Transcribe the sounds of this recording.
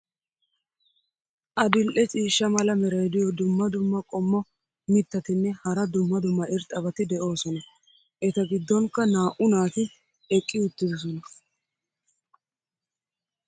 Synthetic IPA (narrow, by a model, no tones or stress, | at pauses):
ʔɐd̪ɪlʔɛt͡ʃʼiːʃːɐmɐlɐmɛɾɐjd̪ɪjɔd̪ʊmːɐd̪ʊmːɐkʼɔmːɔ | mɪt̪ːɐt̪ɪnːɛhɐɾɐd̪ʊmːɐd̪ʊmːɐʔɪɾt̪ʼːɐbɐt̪ɪd̪ɛʔo̞ːsɔnɐ | ʔɛt̪ɐɡɪd̪ːɔŋkːɐnaːʔʊnaːt̪ɪ | ɛkʼːɪʊt̪ːɪd̪ɔs̬ɔnɐ